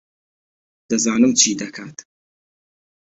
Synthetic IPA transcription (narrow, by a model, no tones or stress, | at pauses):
d̪̥ɨzaːnɨmt͡ʃʰiːd̪ɐkʰaːt̪